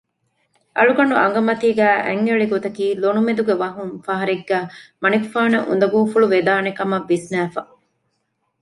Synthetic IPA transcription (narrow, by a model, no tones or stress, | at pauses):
ʔɐɭuɡɐɳuʔɐŋɡɐmɐt̪iːɡæːʔæ̰ŋːeɭiɡot̪ɐkiːlonumed̪uɡeʋɐɦuŋfɐɦɐɾeɡːæːmɐnikfaːnɐʔṵnd̪ɐɡuːfuɭuʋed̪aːnekɐmɐʋːisnæːfɐ